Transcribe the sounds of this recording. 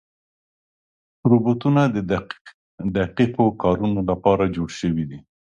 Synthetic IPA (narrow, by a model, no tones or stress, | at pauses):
ɾubut̪unad̪ə | d̪aqiqokɑɾunolapɑɾad͡ʒoɽʃəwid̪i